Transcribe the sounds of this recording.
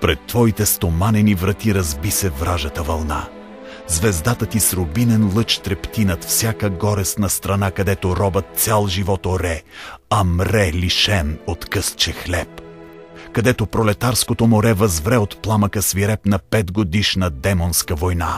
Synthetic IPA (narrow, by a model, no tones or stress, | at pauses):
pɾɛt̪ːvɔit̪ɛst̪omanɛnivɾɐt̪iɾɐzbisɛvɾaʒət̪əvɐlˠna | zvɛzd̪at̪ət̪isɾobinɛnlˠɤt͡ʃt̪ɾɛpt̪inət̪fsʲjakəɡɔɾɛst̪nɐst̪ɾɐnakɐd̪ɛt̪oɾɔbət̪̚sʲalˠʒivɔt̪oɾɛɐmɾɛlʲiʃɛnot̪kɤst͡ʃɛxlɛp | kɐd̪ɛt̪opɾolɛt̪aɾskot̪omoɾɛvɐzvɾɛot̪plˠaməkəsviɾɛpnɐpɛd̪ɡod̪iʃnəd̪ɛmonskəvojna